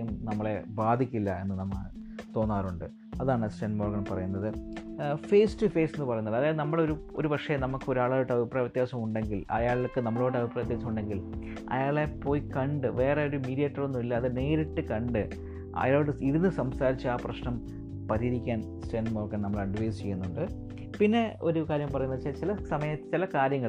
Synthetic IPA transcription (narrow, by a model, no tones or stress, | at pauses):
ɐjumnɐmːɐɭe̞baːd̪ʱikʲːilːɐe̞nːɨnɐmːɐ | t̪o̞ːnːaːɾuɳɖɨ | ɐðaːɳɨsʈenmo̞ːrɡɐɳpɐrɐjunːɐðɨ | fe̞ːstɨfe̞ːsenːɨpɐrɐjunːɐðɐðaːjnɐmːɐɽeo̞ɾuoɾupɐkʂɐjenɐmukːɨo̞ɾaːɭaːjuʈːɐbʱipraːjʋjɐt̪jaːsɐmuɳɖe̞ŋɡilɐ̰jaːɭiokːɨnɐmːɐɭoːɽɨɐbʱipːraːjɐt̪ːjaːsːɐmuɳɖe̞ŋɡil | ɐ̰jaːɭepːo̞ːjikɐɳɖɨʋe̞ːreoɾumiːɾijɐʈːɐronːumilːɐːðɨne̞ːɾiʈːɨkɐɳɖɨ | ɐ̰jaːɭoɽɨiðinːɨsɐmsaːɾit͡ɕːɨaːprɐɕnɐm | pɐɾiɾikʲːaːn | sʈeːnɖmoːrɡɐɳnɐmːɐɭɐɖʋɐjst͡ɕe̞jːunːuɳɖɨ | pinːe̞ʔo̞ɾukaːɾjɐmpɐrɐjunːɐðɨt͡ɕet͡ɕilɐsɐmɐjɐt͡ɕilɐkaːɾjɐŋːɐɭ